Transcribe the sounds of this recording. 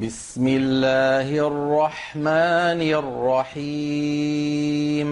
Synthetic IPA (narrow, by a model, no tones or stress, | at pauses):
bɪsmɪlːaːhʔrːɑħmaːnɪʔrːɑħiː | m